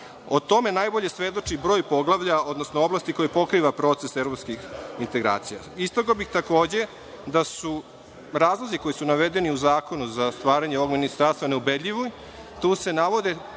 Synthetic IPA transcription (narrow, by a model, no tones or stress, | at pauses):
ot̪o̞me̞najbo̞ʎesʋe̞d̪o̞t͡ʂibɾoːjpo̞ɡlˠaʋʎaod̪nosnooblast̪iko̞jepo̞kɾiːʋapɾo̞t̪sesevɾopskixint̪eɡɾa̰ːt̪sija̰ | ist̪ɾoɡobixt̪ako̞ːd͡ʑe̞ | d̪asu | ɾaːzlˠoziko̞jisunaʋe̞d̪e̞niuzaːko̞nuzast̪ʋaːɾaɲeoʋoɡminist̪aɾst̪ʋaneubed̪ʎʲiʋo | t̪uːse̞naʋo̞d̪e